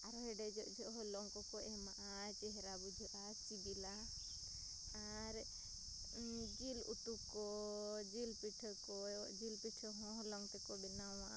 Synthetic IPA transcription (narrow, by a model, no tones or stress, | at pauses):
aɾɔɦɛɖɛd͡ʒɔʔd͡ʒʱɔʔɦɔlɔŋkɔkɔʔɛmaʔa | t͡ʃɛɦɛɾabud͡ʒʱɔʔa | t͡ʃibila | a | ɾ | d͡ʒilṵt̪ukɔd͡ʒilpiʈʰɔkɔd͡ʒilpiʈʰɔɦɔ̃ɦɔlɔŋt̪ɛkɔbɛnãaʔa̰